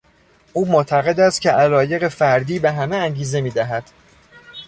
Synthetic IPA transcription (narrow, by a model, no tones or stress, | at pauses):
ʔuːmot̪ʰæɣe̞d̪æst̪̚cʲʰeʔælɒːje̞ɣe̞fæɾd̪iːbe̞ɦæmeæŋɟiːze̞miːd̪æɦæd̪̥